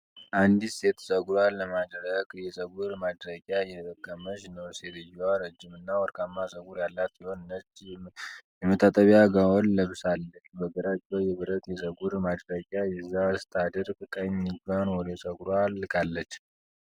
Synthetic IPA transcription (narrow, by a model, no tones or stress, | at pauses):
ʔand̪ise̞t̪sʼəɡɾalːəmad̪ɾəɡjɛsʼəɡuɾmad̪ɾəɡʲʼjajɛt̪ʼəkʼːəmət͡ʃnəwset̪ɨjɛwaɾəd͡ʒːɪmɨnːawɔɾkʰʼamːasʼəɡuɾjalːat̪bihonnət͡ʃː | jɛmət̪ʰːat̪ʼəβaɡawɔnləβsalːət͡ʃːbəɡəɾat͡ʃːəjɛβɨɾət̪jɛsʼəɡuɾmad̪ɾəɡʲʼajɛzːast̪ʰad̪əɾkʼkʼaɲiɡanwɔd̪esʼəɡɾalkʰalːət͡ʃː